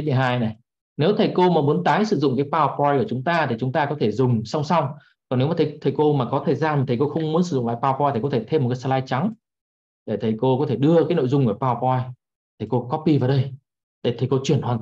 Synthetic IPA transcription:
ɲi˨˩ɦaː˧jna˨˩j | ne˨˦wt̪ʰə˨˩jko˧maː˨˩mu˨˦ənt̪aː˨˦jsɨ˧˩zʊ̰˧˨ŋ͡mkaː˨˦jpaː˧wpɔ˧jku˧˩ət͡ɕʊ˨˦ŋ͡mt̪aː˧t̪ʰi˨˩t͡ɕʊ˨˦ŋ͡mt̪aː˧kɔ˨˦t̪ʰe˧˩zʊ˨˩ŋ͡msa˧wŋ͡msa˧wŋ͡m | kɔ˨˩nːe˨˦wmaː˨˩t̪ʰt̪ʰə˨˩jko˧maː˨˩kɔ˨˦t̪ʰe˧˩jzaː˨˩nm˨t̪ʰi˨˩ko˧xə˧wŋ͡mmu˨˦ənsɨ˧˩zʊ̰˧˨ŋ͡ml̰ːpaː˧wpɔ˧jt̪ʰi˨˩kɔ˨˦t̪ʰe˧˩t̪ʰe˧m̚˨˩ka˨˦sa˧laː˧jt͡ɕa˨˦ŋ | ɗe˧˩t̪ʰə˨˩jko˧kɔ˨˦t̪ʰe˧˩ɗɨ˧əkaː˨˦jno̰˧˨jzʊ˧ŋ͡mkːpaː˧wpɔ˧j | t̪ʰi˨˩ko˧kɔ˦˥pːi˧vaː˨˩ɗə˧j | t̪ə˧˨˩t̪ʰə˨˩jko˧t͡ɕwi˧˩ənhwa̰˨˩n

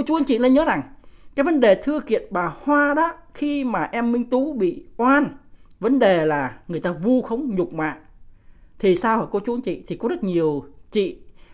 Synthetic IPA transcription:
ko˧t͡ɕu˨˦ənt͡ɕḭ˧˨lə˧nɲəː˨˦za˨˩ŋkaː˨˦˥jvə˨˦nɗe˨˩t̪ʰɨ˧əkḭ˧˨ənɓaː˨˩hwaː˧ɗɔ˨˦xi˧maː˨˩ʔɛ˧mːï˧ŋ̟t̪u˨˦ɓḭ˧˨ʔwaː˧nvə˨˦nɗe˨˩laː˨˩ŋɨ˨˩əjt̪aː˧vu˧xə˨˦wŋ͡mɲʊ˨˩k͡p̚ma̰ː˧˨ʔ | t̪ʰi˨˩saː˧whəː˨˩ko˧t͡ɕu˨˦ənt͡ɕḭ˧˨t̪ʰi˨˩kɔ˨˦zə˦˥t̚ɲi˨˩əwt͡ɕḭ˧˨

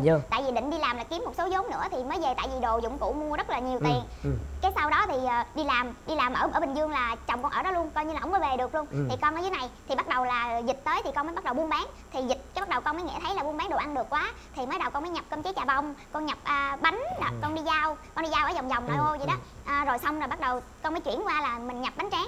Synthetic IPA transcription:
t̪a̰ː˧˨jvi˨˩ɗḭ̈˧˨ŋ̟ɗi˧laː˨˩mlaː˨˩ki˨˦mːo˨˩t̚so˨˦zo˨˦mnɨ̰˧˥ət̪ʰi˨˩məː˨˦jve˨˩t̪a̰ː˧˨jvi˨˩ɗo˨˩zʊ̰˧˥ŋ͡mkṵ˧˥mu˧əzə˦˥t̚laː˨˩ɲi˨˩wt̪i˨˩əŋkaː˨˦jsa˧wɗɔ˨˦t̪ʰi˨˩əː˨˩ɗi˧laː˨˩mɗi˧laː˨˩mʔə̰ː˧˩əː˧˩ɓï˨˩ŋ̟zɨ˧əŋlaː˨˩t͡ɕɔ˨˩ŋ͡mkɔ˧nʔəː˧˩ɗɔ˨˦lu˧ənkɔ˧jɲɨ˧la˨˩˨wŋ͡mmːə˨˦jve˨˩ɗɨ˨˩ək̚lu˧ənt̪ʰi˨˩kɔ˧nəː˧˦zːna˨˩jt̪ʰi˨˩ɓa˦˥t̚ɗə˨˩wlaː˨˩zi˨˩t̚t̪əː˨˦jt̪ʰi˨˩kɔ˧nməː˨˦jɓa˦˥ə˨˩wɓənɓaː˨˦ŋt̪ʰi˨˩zï˨˩t̟̚kaː˨˦ɓa˦˥t̚ɗə˨˩wkɔ˧nməː˨˦jŋḭ˧˥t̪ʰə˨˦jla˨˩ɓənɓaː˨˦ŋɗo˨˩wʔa˧nɗɨ˨˩əkːwaː˨˦ | t̪ʰi˨˩mə˨˦jɗə˨˩wkɔ˧nməː˨˦jɲa˨˩p̚kə˧mt͡ɕi˨˦jt͡ɕaː˨˩va˨˧˩wŋ͡mkɔ˧nɲa˨˩p̚ʔəː˧ɓa˨˦ŋ̟ɗkɔ˧nɗi˧zaː˧wkɔ˧nɗi˧aː˧wʔəː˧˩˦za˨˩wŋ͡mza˨˩wŋ͡mnɔ˨˩ʔo˧zḭ˨˦ɗɔ˨˦ʔːzo˨˩jsa˧wŋ͡mza˨˩ɓa˦˥t̚ɗə˨˩wkɔ˧nməː˨˦jt͡ɕwḭ˧˩ənkwaː˧laː˨˩mï˨˩ŋ̟ɲa˨˩p̚ɓa˨˦ŋ̟t͡ɕaː˨˦ŋ

